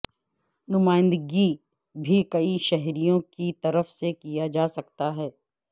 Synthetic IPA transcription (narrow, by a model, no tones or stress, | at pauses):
nʊmaːɪ̃nd̪əɡi | bʱikɐiʃɛɦɾijõkit̪ɐɾəfsekijad͡ʒaːsɐkt̪aɦɛː